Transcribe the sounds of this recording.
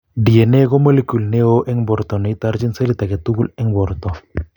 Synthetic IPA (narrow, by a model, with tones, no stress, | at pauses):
di˨e˨ne˦ɡo˦mo˦le˦ku˨lne˦o˦ʔɛ˦ŋbɔ˨ɾt̪ɔ˨ne˨˦t̪a˦ɾd͡ʒi˦nse˦li˦t̪a˨ke˨t̪u˦ɡu˦lɛ˦ŋbɔ˨ɾt̪ɔ˨